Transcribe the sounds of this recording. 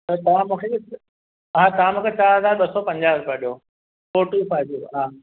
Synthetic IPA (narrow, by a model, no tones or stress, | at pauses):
t̪ɐt̪ɐʋ̤ãmũːkʰeɪ | ɦãːt̪ɐʋ̤ãmũːkʰet͡ɕaːɾɦəzaːɾɓɐsɔpɐ̃ɲd͡ʑaːzpaɗijo | foːʈifaːd͡ʑoɦaː